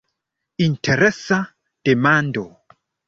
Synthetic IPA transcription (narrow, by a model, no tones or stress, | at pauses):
intʰeɾesa | d̥emando